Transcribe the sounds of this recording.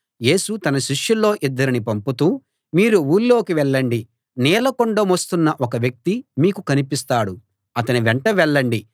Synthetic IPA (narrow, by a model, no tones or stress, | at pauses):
je̞ːsut̪ɐnɐʃiʂjulːo̞ːʔid̪ːɐɾinipɐmput̪uː | miːɾuuːlːo̞ːkiʋɛɭːɐɳɖi | nɛːlɐkoɳɖomost̪unːɐʔɔkɐʋjɐk̚t̪imiːkukɐnipist̪aːɽu | ɐt̪ɐniʋɛɳʈɐʋɛɭːɐɳɖi